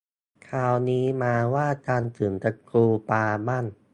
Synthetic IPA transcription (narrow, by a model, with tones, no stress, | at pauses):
kʰaː˧˩wniː˦˥maː˧waː˥˩t͡ɕaː˧nsɯː˩˦mt͡ɕa˧kuː˧paː˧ma˥˩n